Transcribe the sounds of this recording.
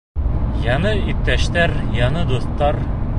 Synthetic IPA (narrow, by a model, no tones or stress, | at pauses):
jɑnɤip̚t̪ːæʃt̪æɾjɑnɤd̪uθt̪ːɑɾ